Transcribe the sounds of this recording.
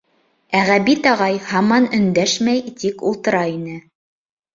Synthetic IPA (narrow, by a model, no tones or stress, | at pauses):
æʁæbit̪ɑʁɑjhɑmɑnɵ̆nd̪æʃmæjt̪ikulˠt̪ɤ̆ɾɑinɘ